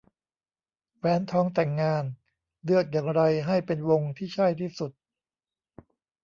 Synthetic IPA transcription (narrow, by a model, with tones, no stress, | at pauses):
wɛː˨˥nt̪ʰɔː˧˥ŋt̪ɛ˨˩ŋːaː˧n | lɯ˥˩ək̪̚jaː˨˩ŋɾa˧jɦa˥˩jpe˧nwo˧ŋt̪ʰiː˥˩t͡ɕʰa˥˩jt̪ʰiː˥˩su˨˩t̪̚